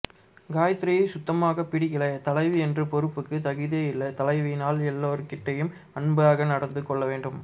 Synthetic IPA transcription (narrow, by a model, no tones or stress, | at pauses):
ɡaːjɐt̪ːɾɪjɐɪsʊt̪ːɐmaːɣɐpɪɽɪɣɪlɐt̪ɐlɐɪʋɯɛndrɯpɔɾɯpːɯkːɯt̪ɐɣɯðijɐɪlːɐt̪ɐlɐɪʋɪnaːlɛlːoːɾɯkɪʈːɐjɯm | ɐɳbɯaːɣɐnɐɽɐnd̪ɯkːɔɭːɐʋeːɳɖɯm